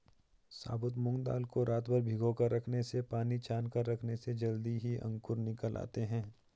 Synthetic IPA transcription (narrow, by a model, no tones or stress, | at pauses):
sa̰ːbʊt̪mʊ̃ŋɡd̪a̰ːlkoɾaːt̪bəɾbʱɪɡõkaɾɐkʰnesepaːnit͡ʃʰaːnkəɾɐkʰnesed͡ʒɐld̪iɦiʔɐ̰̃ŋkʊɾnɪkəlʔa̰ːt̪eɦɛ̃ː